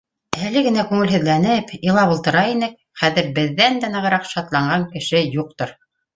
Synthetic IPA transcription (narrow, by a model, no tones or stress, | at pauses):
ælɘɡɘ̆nækʉŋɘlɦɵ̆ðlænɘpilˠɑβŭlˠt̪ɤ̆ɾɑinɘk̚ | χæðɘɾbɘ̆ðːænd̪ænɤ̆ʁɤ̆ɾɑqʃɑt̪lˠɑɴɢɑŋkɘ̆ʃɘjuq̚t̪oɾ